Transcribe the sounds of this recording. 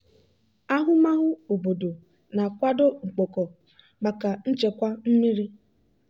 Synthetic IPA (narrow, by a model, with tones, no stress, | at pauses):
a˦ɦʊ˦ma˦ɦʊ˦o˨bo˨do˨ | na˨kʷa˦do˦ŋ͡m̩˨k͡po˨kɔ˨ | ɡ͡ba˨ka˨n̩˦t͡ʃe˨kʷa˦m̩˦mi˦ɾi˦